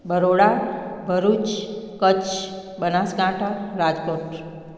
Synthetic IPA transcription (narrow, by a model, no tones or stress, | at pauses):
bʱəɾoɽabʱəɾut͡ʃkət͡ʃ | bənaskãʈʰaɾad͡ʒkoʈ